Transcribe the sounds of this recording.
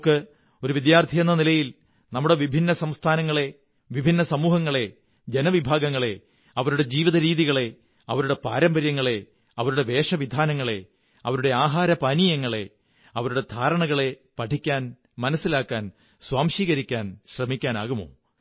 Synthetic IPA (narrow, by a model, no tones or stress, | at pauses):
kːɨ | o̞ɾuʋid̪jaːrt̪ʰijenːɐnilɐjil | nɐmːuɽe̞ʋibʱinːɐsɐmst̪ʰaːnɐŋːɐɭe̞ | ʋibʱinːɐsɐmuːɦɐŋːɐɭe̞ | d͡ʑenɐʋibʱaːɡɐŋːɐɭe̞ | ɐʋɐɾuɽe̞d͡ʑiːʋiðɐɾiːðiɣɐɭe̞ | ɐʋɐɾuɽe̞paːɾɐmbɐɾjɐŋːɐɭe̞ | ɐʋɐɾuɽe̞ʋe̞ːʂɐʋid̪ʱaːnɐŋːɐɭe̞ | ɐ̰ʋɐɾuɽe̞aːɦaːɾɐpɐnijɐŋːɐɭe̞ | ɐʋɐɾuɽe̞d̪ʱaːɾɐɳɐɣɐɭe̞ | pɐʈʰikʲːaːn | mɐnɐsːilaːkːaːn | swaːmʂiːɣɐɾikʲːaːnɕrɐmikʲːaːna̰ːɣumo̞̰ː